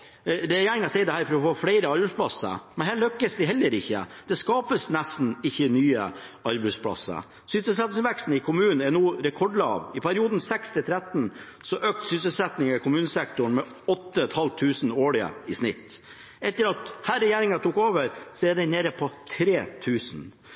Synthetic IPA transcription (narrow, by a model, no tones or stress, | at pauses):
ɾɛjeːɾɪŋɑsɛɪd̪ɛhæːɾfɔɾɔfoːfɽæɪɾəɑɾbɛɪspʰlɑsə̰mɛnɦæːɭœkːəsd̪ɪɦɛlːəɾɪçːə̰d̪̥ɛskɑːpəsnæst̪n̩ɪçːənyːə̰ɑɾbɛspʰlɑ̰sːə̰ | sʏsəlsɛt̪nsʋɛkst̪n̩ɪkʰʊmʉːnn̩ɛnuːɾɛkʰɔɖlɑ̰ʋɪpʰæɾɪuːd̪n̩sɛkst̪ʰɪlt̪ʰɾɛt̪n | sɔʔøːk̚t̪sʏsəl̩sɛt̪nɪŋɑkʊmʉːnəsɛk̚t̪ʊɳmɛ | ɔt̪ːəɛt̪hɑlt̪ʰːʉːsn̩oːɭɪə̰ɪsnɪt̪ː | ɛt̪ːəɾɑt̪hæːɾɛjeːɾɪŋɑt̪ʰuːkoːʋəɾsɔɛɖ̪ɛɪneːɾəpʰɔt̪ʰɾeːt̪ʰʉːsn̩